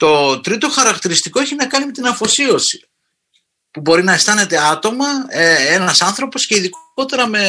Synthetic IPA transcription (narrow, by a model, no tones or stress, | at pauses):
t̪o̞t̪ɾit̪o̞xɐɾɐkt̪iɾist̪iko̞e̞çinɐkɐnime̞t̪inɐfo̞sio̞si̥ | pubo̞ɾinɐe̞st̪ɐne̞t̪e̞ɐt̪o̞mɐee̞nɐsɐnθɾo̞po̞sce̞iðiko̞t̪e̞ɾɐme̞